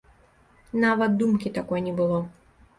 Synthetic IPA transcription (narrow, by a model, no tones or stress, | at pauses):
navɐt̪̚d̪umkʲit̪akɔjnʲɛbɨlˠɔ